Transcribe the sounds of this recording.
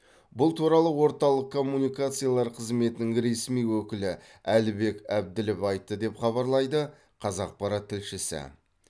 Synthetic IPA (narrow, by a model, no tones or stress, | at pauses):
bʊlˠt̪ʰuɾɑlˠəwo̞ɾt̪ɑlˠəq̚kʰːo̞mːunijkat̪sɨjalˠɑɾqʰəzme̞t̪ɪnɪŋɾe̞smijwɵkʲɪlɪ | ælɪbe̞kæb̚d̪ɪlɪpɑjt̪ːəd̪e̞pχɑβɑɾlˠɑjd̪ə | qʰɑzɑq̚pʰɑɾɑt̪ʰːɪlʃɪsɪ̰